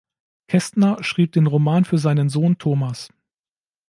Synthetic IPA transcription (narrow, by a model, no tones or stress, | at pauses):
kʰɛstnɐʃʁ̥iːp̚d̥eːnʁomaːnfyːɐzaɪnənzoːntʰoːmas